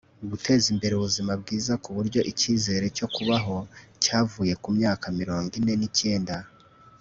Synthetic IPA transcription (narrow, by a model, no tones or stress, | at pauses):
uβutʰe̞ːzimbe̞ɾeuβuzimab̚ɡiːzakuβuɾɟo̞ʔiciːze̞ːɾe̞co̞kuβaɦo̞caːvuːje̞kumɲaːkamiɾo̞ːŋɡine̞nice̞ːnda